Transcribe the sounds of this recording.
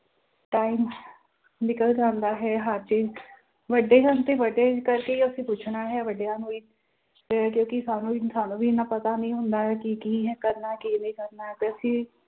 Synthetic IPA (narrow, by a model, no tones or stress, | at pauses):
ʈaːim | nɪkəld͡ʒãːnd̪aːɦɛːɦaːɾt͡ʃiːz | ʋəɖeːd͡ʒant̪ẽːʋəɖeːkəɾkeiəsĩːpuːt͡ʃʰnaːɦɛːʋəɖejaːnũːiː | ɛkjõːkɪsaːnũːsaːnũːbiːnaːpət̪aːnəĩːɦʊ̃nd̪aːɦɛːkikiːɦɛkəɾnaːkinəĩːkəɾnaːɦɛːt̪eəsĩː